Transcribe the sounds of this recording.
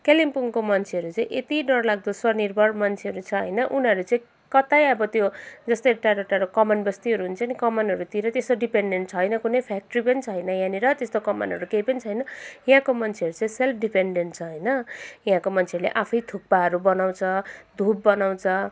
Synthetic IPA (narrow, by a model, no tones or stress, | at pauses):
kelimpuŋkomʌnt͡sʰeʌɾut͡sãĩʔet̪iɖʌrlaɡ̚d̪osʌnirbʱʌɽmʌnt͡sʰeʌɾut͡sʰʌɦʌ̰jnʌʔunʌɾut͡sʌĩ | kʌt̪ajʌbʌt̪jod͡zʌst̪ʌjʈaɾoʈaɾokʌmʌnbʌst̪iʌɾuɦunt͡sʰʌnikʌmʌnʌɾut̪iɾʌt̪esɖipeɳɖeɳʈ̚t͡sʰʌjnʌkunʌjpʰak̚ʈripʌnit͡sʰʌjnʌjãniɾʌt̪est̪okʌmʌ̰nɦʌɾukejpʌnit͡sʰʌjnʌjãkomʌnt͡sʰeʌɾut͡sʌĩselpʰɖipeɳɖeɳʈ̚t͡sʰʌɦʌjnʌjãkomʌnt͡sʰeʌɾulḛʔapʰʌjt̪ʰuk̚paʌɾubʌnaw̃t͡sʰʌd̪ʱub̚ːʌnaw̃t͡sʰʌ